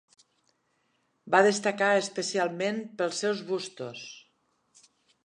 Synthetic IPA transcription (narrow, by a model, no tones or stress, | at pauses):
baðəst̪əkaəspəsialˠmenpəlˠsːɛwzβust̪us